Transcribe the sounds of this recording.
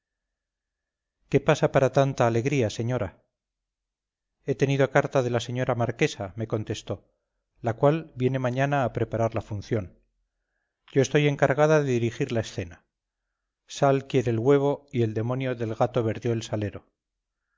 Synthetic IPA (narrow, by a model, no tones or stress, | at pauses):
ke̞pasapaɾat̪ant̪aːle̞ɣɾiase̞ɲoɾa | e̞t̪e̞niðokaɾt̪aðe̞laseɲo̞ɾʔamaɾke̞same̞ko̞nt̪e̞st̪o̞ | lakwalbje̞ne̞maɲanaːpɾe̞paɾaɾlafun̟θjo̞n | ɟ͡ʝo̞est̪o̞je̞ŋkaɾɣ̞aðaðe̞ðiɾixiɾlae̞sθe̞na | salkje̞ɾeːlɣwe̞β̞o̞ie̞ld̪e̞mo̞njo̞ðe̞lɣat̪o̞βe̞ɾðjo̞elsale̞ɾo̞